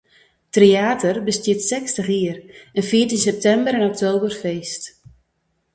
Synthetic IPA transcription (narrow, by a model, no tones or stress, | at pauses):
treaːtʰərbəstjɪtsɛkstəxiərənfiətinsɛp̚tɛmbəɾɛnɔk̚tʰoːbərfeːst